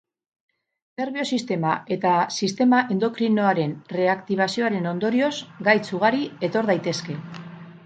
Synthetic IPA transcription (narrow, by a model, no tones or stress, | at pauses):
ne̞ɾβio̞sist̪e̞mae̞t̪asist̪e̞maʔe̞nd̪o̞kɾino̞aɾe̞nre̞akt̪iβ̞asio̞aɾe̞no̞nd̪o̞ɾio̞zɡajt͡suɣaɾie̞t̪o̞ɾðajt̪e̞ske̞